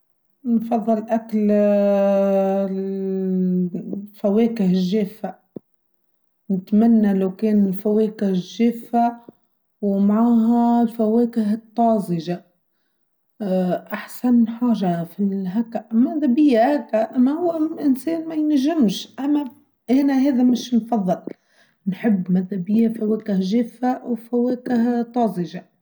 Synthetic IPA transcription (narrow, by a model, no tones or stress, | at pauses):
nfɑðˤːɨlʔakl | faweːkɪhɪʒːeːfa | nɪt̪manːalawkeːnɪlfaweːkɪhɪʒeːfːa | wmaʕaːɦalfaweːkɪɦɨt̪ˤːɑːzˤɪʒa | ʔaħsanħaːʒafiɦakːaʔmaðabɪjːahakːaʔanahʊwːaʔɪnseːnmajnaʒːɪmʃʔamːa | ʔɪnaheːd̪amɪʃnfɑðˤːɨl | nħɪbːmaðːabɪjːafaweːkɪhʒeːfawfaweːkɪht̪ˤːɑːzɪʒa